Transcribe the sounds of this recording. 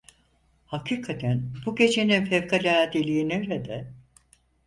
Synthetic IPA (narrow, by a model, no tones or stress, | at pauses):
hakʰiːkʰat̪ʰænbuɟe̞t͡ʃʰe̞ninfɛvkʰalʲaːd̪ilʲiːineɾed̪ɛ